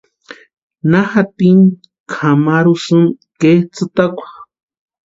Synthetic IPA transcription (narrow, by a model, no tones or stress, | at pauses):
naxat̪in | kʰamaɾusɨm | ket͡sɨt̪akʷḁ